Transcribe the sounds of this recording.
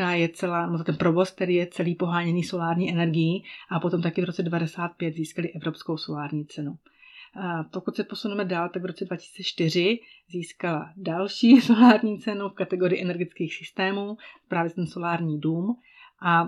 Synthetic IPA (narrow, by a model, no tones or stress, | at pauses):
aːjɛt͡sɛlaːnɛbot̪t̪ɛnpɾo̞vo̞sk̚t̪ɛɾiːjɛt͡sɛliːpo̞ɦaːɲɛniːso̞laːɾɲiːʔɛnɛɾɡɪjiʔapo̞t̪o̞mt̪akɪvɾot͡sɛdɛvadɛsaːt̪̚pjɛd̪ziːskalɪʔɛvɾo̞psko̞wso̞laːɾɲiːt͡sɛnu | po̞kut̪sɛpo̞sunɛmɛdaːlt̪aɡvɾo̞t͡sɛdvacɪ̥siːt͡sɛt͡ʃt̪ɪr̝ɪziːskaladalʃiːso̞laːɾɲiːt͡sɛnufkat̪ɛɡo̞ɾɪːʔɛnɛɾɡɪt͡skiːxsɪst̪ɛːmuːpɾaːvjɛt̪ɛnso̞laːɾɲiːduːm | ʔa